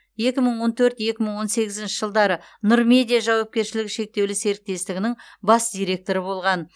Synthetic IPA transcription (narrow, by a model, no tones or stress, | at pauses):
je̞kʲɪməɴwo̞nt̪ʰɵɾt̪je̞kʲɪməɴwo̞nse̞ɡʲɪzɪnʃɪʒəlˠd̪ɑɾə | nʊɾmʲe̞d̪ʲijaʒɑwɑp̚kʲe̞ɾʃɪlɪkʃe̞k̚t̪e̞wlɪse̞ɾɪk̚t̪e̞st̪ɪɡʲɪnɪŋbɑsd̪ijɾe̞k̚t̪o̞ɾəbo̞lˠʁɑn